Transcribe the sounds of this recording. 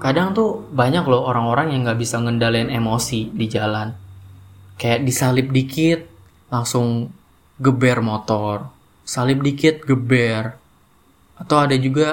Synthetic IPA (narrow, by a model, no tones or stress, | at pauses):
kadaŋt̪ubaɲaklɔhoɾaŋoɾaŋjaŋɡaʔbisaŋəndalnemosidid͡ʒalan | kajaʔdisalɪp̚dikɪt̪̚ | laŋsʊŋ | ɡəbɛrmot̪ɔr | salɪp̚dikɪt̪̚ɡəbɛr | at̪awadad͡ʒuɡa